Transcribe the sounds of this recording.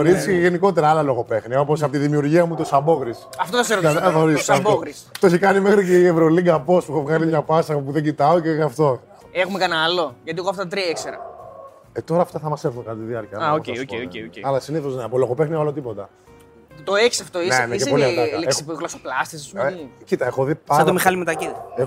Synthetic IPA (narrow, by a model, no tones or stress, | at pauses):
oɾisceʝeniko̞t̪e̞ɾɐɐlɐlo̞ɣo̞pe̞xniɐo̞posɐpot̪iðimiuɾʝiɐmut̪osɐbo̞ɣɾisɐft̪oðokseɾxoɾisɐokɾist̪ooçikɐnimexɾiceievɾoliɡɐpo̞spuxovɣɐnimɲɐpɐsɐpopuðeɲɟit̪ɐoceɐft̪o̞ | exumekɐnɐloʝɐt̪ieɣoɐft̪ɐt̪t̪ɾiɐekseɾɐ̰ | et̪o̞ɾɐːft̪ɐθɐmɐseɾθunkɐt̪t̪iðiɐɾciɐaosceoeoeoceɐlɐsiniθozneɐpoloxopexnivɐlo̞t̪ipo̞t̪ɐ | t̪oeçi̥sɐft̪oinenescepolliɐd̪ɐlesiɣlosoplɐst̪isɐsmcit̪ɐexoðipɐsd̪omixɐlimet̪ɐcit̪e